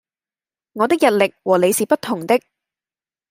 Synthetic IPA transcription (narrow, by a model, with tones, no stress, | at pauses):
ŋɔː˨˧t̪ɪ˥k̚jɐ˨t̚lɪ˨k̚wɔː˨˩le˨˧jsiː˨pɐ˥t̚t̪ʰːʊ˨˩ŋt̪ɪ˥k̚